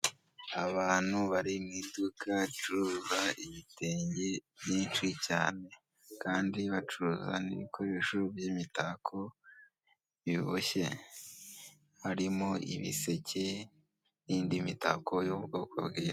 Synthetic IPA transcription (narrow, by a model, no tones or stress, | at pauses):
aβaːn̥huβaɾimŋidukʰat͡ʃuɾuzaiβiteːɲɟebjiːnt͡ʃicaːne̞ | kaːndiβat͡ʃuɾuza̰nḭβikʰoɾeʃubjimitakʰo | iβoʃe̞̰ | haɾimoʔḭβḭse̞cʰe | jiːndimita̰ko̞jobɡo̞ːkʰo̰bɡiːɾ